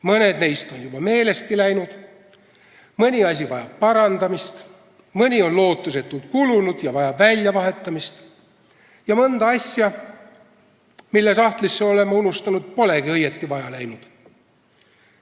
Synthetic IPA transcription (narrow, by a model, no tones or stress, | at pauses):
mɤne̞d̪̥nejst̪o̞njub̥ɑme̞ːle̞st̪̚kilæjnud̪̥ | mɤnʲiɑs̬ʲivɑjɑbpɑɾɑnd̪̥ɑmist̪ | mɤnʲio̞nlo̞ːt̪ːˑuse̞t̪ːˑult̪kulunud̪̥jɑvɑjɑbvælʲjɑvɑɦe̞t̪ːˑɑmist̪ | jɑmɤnd̪̥ɑɑsʲjɑ | milːe̞sɑht̪lisːeo̞le̞mːɑunust̪ɑnud̪̥̚po̞le̞ɡiɤjet̪ːivɑjɑlæjnud̪̥